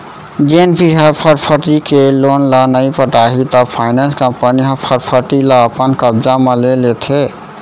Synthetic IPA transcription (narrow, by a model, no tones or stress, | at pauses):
d͡ʒenbʱiɦəpʰəɾpʰəʈikelonlənəjpəʈaɦit̪ɔpʰajnanskəmpəniɦəpʰəɾpʰəʈiləəpənkəbd͡ʒamelelet̪ʰe